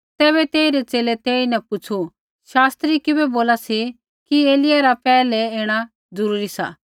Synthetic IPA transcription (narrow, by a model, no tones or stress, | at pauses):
t̪ɛːβɛt̪eːiɾet͡ʃeːlet̪eːinɛ̃pʊt͡sʰu | ʃaːst̪ɾikɪbɛboːlasi | kieːlɪjaɾapɛːlɛeːɽ̃a | zʊɾuːɾisa̰